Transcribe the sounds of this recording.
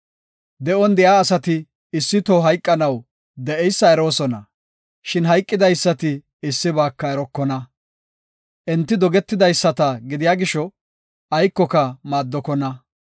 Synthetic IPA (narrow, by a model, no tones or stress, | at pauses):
d̪ɛʔɔnd̪ɛjaːɐsɐt̪ɪː | sːɪt̪oːɦɐjkʼːɐnɐw | d̪ɛʔɛjsːɐɛɾo̞ːsɔnɐ̰ | ʃɪnɦɐjkʼːɪd̪ɐjsːɐt̪ɪː | sːɪbaːkːɐɛɾɔkːɔnɐ | ʔɛnt̪ːɪd̪ɔɡɛt̪ːɪd̪ɐjsːɐt̪ɐɡɪd̪ɪjaːɡɪʃɔ | ɐjkːɔkɐmaːd̪ːɔkɔnɐ